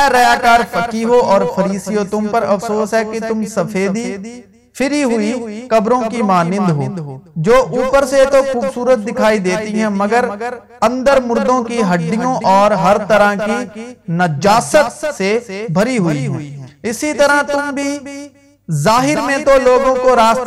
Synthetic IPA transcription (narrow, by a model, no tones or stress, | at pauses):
ɛɾɐjaːkaːɾpɐkiɦoʔɔːɾfʰɐɾiːsijõt̪ʊ̃mpɐɾɐfsoːsɦɛkit̪ʊmsɐfʰeːd̪i | fʰɪɾiɦʊikɐbɾõkimaːnɪ̃nd̪ɦo̰ːd͡ʒoːʔuːpəɾset̪oxuːbsuːɾət̪̚d̪ɪkʰaːid̪eːt̪iɦɛ̃mɐɡəɾ | ɐ̃nd̪əɾmʊɾd̪õkiɦɐɖɖijõɔːɾɦɐɾt̪ɐɾakinɐd͡ʒaːsət̪sebʱɐɾiɦʊiɦõːɪsit̪ɐɾat̪ʊmbʱi | zaːɦɪɾmẽt̪oloːɡõkoɾaːst̪